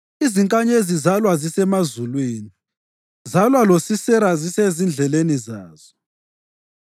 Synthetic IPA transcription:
iziŋkʼaɲezizalwazisɛmazulwiːni | zalwalosisɛɾazisezind͡ɮʱɛlenizaːz̥ɔ

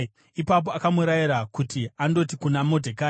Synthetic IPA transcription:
ipap̬oakamuɾajiɾakutiando̞tikunamo̞dʱekaː

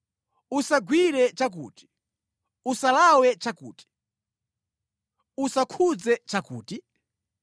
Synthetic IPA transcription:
usaɡwiɾɛt͡ʃak̬ṵːti̥ | usalawɛt͡ʃakṵːti̥ | usakʰud͡zɛt͡ʃakṵːti

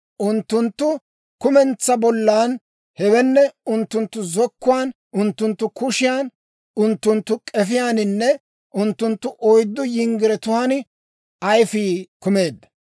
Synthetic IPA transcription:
ʔʊnt̪ːʊnt̪ːʊ | kʊmɛnt͡sːɐbɔlːaːn | hɛwɛnːɛʊnt̪ːʊnt̪ːʊzɔkːʊwaːn | ʔʊnt̪ːʊnt̪ːʊkʊʃɪjaːn | ʊnt̪ːʊnt̪ːʊkʼɛfɪjaːnɪnːɛ | ʔʊnt̪ːʊnt̪ːʊʔɔjd̪ːɔjɪŋɡɪɾɛt̪ʊhanɪ | ɐjfiːkʊme̞ːd̪ːɐ

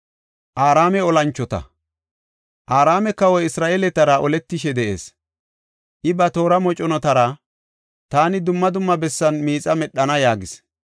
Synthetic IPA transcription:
ʔaːɾaːmɛɔlɐnt͡ʃːɔt̪ɐ̰ | ʔaːɾaːmɛkːɐwɔjɪsɾaːʔeːlɛt̪ːɐɾɐʔɔlɛt̪ːɪʃɛd̪ɛʔe̞̰ːs | ʔɪbɐt̪o̞ːɾɐmɔt͡ʃʼɔnɔt̪ɐɾɐ | t̪aːnɪd̪ʊmːɐd̪ʊmːɐbɛsːɐnmiːt͡sʼɐmɛɗːɐnɐjaːɡɪs

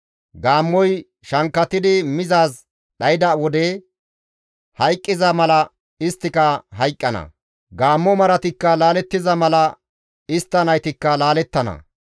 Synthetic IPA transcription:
ɡaːmːɔj | ʃɐŋkːɐt̪ːɪd̪ɪmɪzaːs | ɗɐjɪd̪ɐwɔd̪e | hɐjkʼːɪzɐmɐlɐ | ɪst̪ːɪkɐɦɐjkʼːɐnɐ̰ | ɡaːmːɔmɐɾɐt̪ɪkːɐlaːlɛt̪ːɪzɐmɐlɐ | ɪst̪ːɐnɐjt̪ɪkːɐlaːlɛt̪ːɐnɐ̰

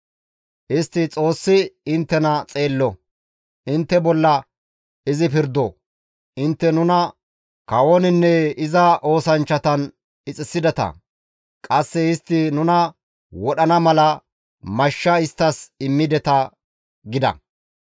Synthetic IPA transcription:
ʔɪst̪ːɪt͡sʼo̞ːsːɪɪnt̪ːɛnɐt͡sʼe̞ːlːɔ | ʔɪnt̪ːɛbɔlːɐ | ɪzɪpɪɾd̪ɔ | ʔɪnt̪ːɛnʊnɐ | kɐwonɪnːɛɪzɐʔo̞ːsɐnt͡ʃːɐt̪ɐn | ɪt͡sʼɪsɪd̪ɛt̪ɐ̰ | kʼɐsːɛɪst̪ːɪnʊnɐ | wɔɗɐnɐmɐlɐ | mɐʃːɐɪst̪ːɐsɪmːɪd̪ɛt̪ɐ | ɡɪd̪ɐ̰

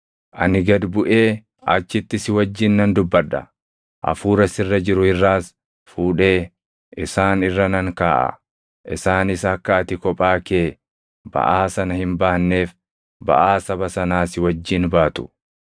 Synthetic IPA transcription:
ʔɐ̰nɪɡɐd̪bʊʔe̞ː | ɐt͡ʃːɪt̪ːɪsɪwɐd͡ʒːɪnːɐnd̪ʊbːɐᶑɐ̰ | ʔɐ̰fuːɾɐsɪrːɐd͡ʒɪɾʊhɪrːaːs | fuːᶑe̞ː | ɪsaːnɪrːɐnɐŋkaːʔɐ̰ | ʔɪsaːnɪsɐkːɐɐt̪ɪkɔpʼaːke̞ː | bɐ̰ʔaːsɐnɐhɪmbaːnːe̞ːf | bɐ̰ʔaːsɐbɐsɐnaːsɪwɐd͡ʒːɪnbaːt̪ʊ̥

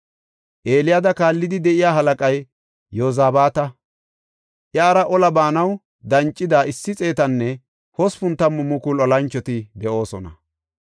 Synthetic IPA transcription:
ʔe̞ːlɪjad̪ɐkaːlːɪd̪ɪd̪ɛʔɪjaːɦɐlɐkʼɐj | jːoːzaːbaːt̪ɐ | ʔjaːɾɐʔɔlɐbaːnɐw | d̪ɐnt͡ʃʼːɪd̪aːɪsːɪt͡sʼe̞ːt̪ɐnːɛ | hɔspʊnt̪ːɐmːʊmːʊkʊlɔlɐnt͡ʃːɔt̪ɪd̪ɛʔo̞ːsɔnɐ̰

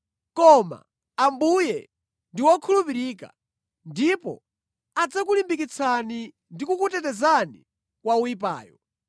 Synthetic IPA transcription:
kɔma̰ː | mbujɛ | ndiwɔkʰulupiɾiːka̰ | ndipɔ̰ | ad͡zakulimbikit͡sʰani | ndikukutɛtɛzanḭ | kwauip̬a̰ːjɔ

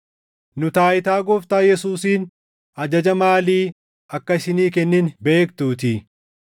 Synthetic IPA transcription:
nʊt̪aːʔɪt̪aːɡɔft̪aːjɛsuːsiːn | ɐd͡ʒɐd͡ʒɐmaːliː | ʔɐkːɐɪsɪniːkɛnːɪnbe̞ːk̚t̪uːt̪ɪ

